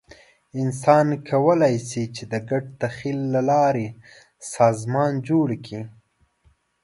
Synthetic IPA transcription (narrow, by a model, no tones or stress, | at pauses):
ɪnsɑnkʰawəlɑjsit͡ʃed̪əɡaɖ̚t̪axilːalɑɾe | sɑzmɑnd͡ʒoɽkʰi